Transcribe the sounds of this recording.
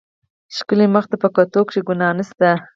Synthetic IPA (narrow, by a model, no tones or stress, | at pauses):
ʃkəleməxt̪apəkot̪okʂeɡʊnɑnəst̪a